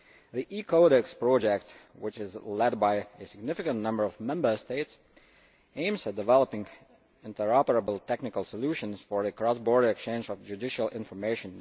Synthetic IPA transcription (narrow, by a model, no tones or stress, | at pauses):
ðiʔikʰoʊɾɛkspɹ̥ɔd͡ʒɛk̚t | wɪt͡ʃɪzlɛd̚baɪɨsɪɡ̚nɪfɨkə̃nnʌ̃mbə˞ʌvmɛ̃mbə˞steɪts | ẽɪ̃mzɨdɨvɛlˠəpɪ̃ŋ | ɪ̃ntə˞ɑpə˞əbl̩ˠtʰɛknɨkəlˠsəluʃə̃nz̥fə˞ɨkɹ̥ɔsbɔɹɾə˞ɨkst͡ʃẽɪ̃nd͡ʒʌvd͡ʒʉdɪʃəlˠɪ̃ɱfə˞meɪʃɨ̃n